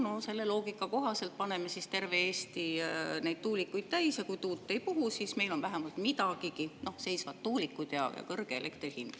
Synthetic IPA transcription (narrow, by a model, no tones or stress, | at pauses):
nose̞lːe̞lo̞ːɡikːˑɑko̞ɦɑse̞lt̪̚pɑne̞me̞sist̪e̞rve̞eːst̪inejd̪̥t̪uːlikːujd̥̪̚t̪æjsjɑkujt̪uːt̪ːe̞jpuɦusiːsme̞jlo̞nvæɦe̞mɑlt̪mid̪ɑɡ̥ikino̞hse̞jsvɑt̪ːuːlikːˑud̪̥jɑ̰jɑ̰kɤrɡ̥eele̞kt̪rihind̪̥